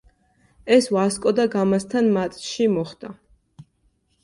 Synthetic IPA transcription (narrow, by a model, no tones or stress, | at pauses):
ɛsvaskʼɔd̪aɡamast̪ʰanmat̪sʼʃimɔχd̪̥a